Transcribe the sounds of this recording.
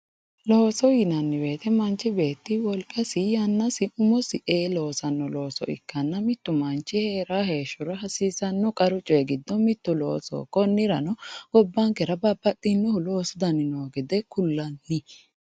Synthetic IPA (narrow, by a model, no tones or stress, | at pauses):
loːsɔjɪnɐnːɪbe̞ːt̪ɛmɐnt͡ʃːɪbe̞ːt̪ːɪwɔlkʼɐsɪjɐnːɐsɪʊmɔsɪʔeːlo̞ːsɐnːɔlo̞ːsɔ̰ɪ̰kːɐnːɐmɪt̪ːʊmɐnt͡ʃːɪheːɾaːɦe̞ːʃʊɾɐɦɐsiːsɐnːɔkʼɐɾʊt͡ʃʼeɡɪd̪ːɔmɪt̪ːʊlo̰ːso̰ːkːɔnːɪɾɐnɔɡ̥ɔbːɐŋkɛɾɐbɐbːɐt̪ʼːɪnːɔhʊloːsʊd̪ɐnɪnoːɡɛd̪ɛkʊlːɐnːɪ